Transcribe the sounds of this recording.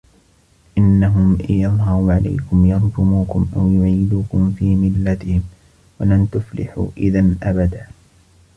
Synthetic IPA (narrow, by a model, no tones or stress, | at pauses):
ʔɪnːaɦʊmjɑðˤɦɑɾʕala̰jkʊmjɑɾˤdʊmuːkʊmʔawjʊʕiːd̪uːkʊmfiːmɪlːat̪ɪhɪm | walamt̪ʊflɪ̰ħṵːʔɪðanʔabad̪aː